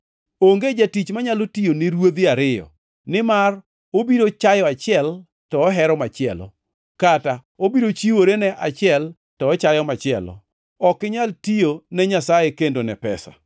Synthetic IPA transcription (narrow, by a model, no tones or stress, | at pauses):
oŋɡed͡ʒatit͡ʃmaɲalotijonɪɾwod̪ɪaɾɪjɔ̰ | nɪmar | obiɾot͡ʃajɔat͡ʃɪɛl | tɔːɦɛɾɔmat͡ʃɪɛlɔ̰ | kata | obiɾot͡ʃiwoɾenɛʔat͡ʃɪɛl | tɔːt͡ʃajɔmat͡ʃɪɛ̰lɔ̰ | ɔkɪɲaltijonɛɲasajekendonɛpɛ̰sa̰